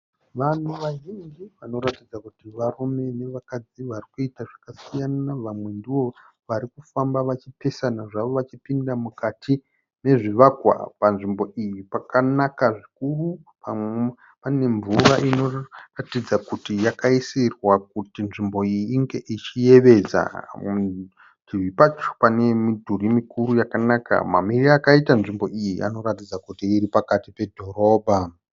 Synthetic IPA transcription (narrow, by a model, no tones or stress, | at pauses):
ʋan̤uʋaʒind͡ʒiʋano̞ɾatid͡zakutiʋarume̞ne̞ʋakad͡ziʋarikuitaʐakasijanaʋamwe̞ndiʋo̞ | ʋaɾikufambaʋat͡ʃipe̞sanaʐaʋo̞ʋat͡ʃipindamukatʰi | ne̞ʐiʋakwa̰panʐimbo̞ʔijipakanakaʐikuru | pa | pane̞ɱvuraʔino̞ratid͡zakutijakaisirwak̚utinʐimbo̞ijiːŋɡe̞ʔit͡ʃije̞ʋe̞d͡za̰ | iʋipat͡ʃo̥pane̞midʱurimikuɾujakanaka̰ma̰miriakaitanʐimbo̞ʔijiʔa̰no̞ɾatid͡zakutiːɾipakatipe̞dʱo̞ro̞ːbʱa